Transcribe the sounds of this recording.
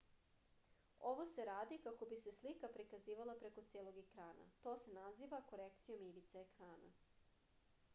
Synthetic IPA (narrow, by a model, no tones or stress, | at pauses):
o̞ʋo̞se̞ɾaːd̪ikako̞bise̞slikapɾikaziːʋalˠapɾeko̞t̪seːlˠo̞ɡekɾaːna̰t̪o̞ːse̞naziːʋako̞ɾekt̪ijo̞miʋit̪seekɾaːna̰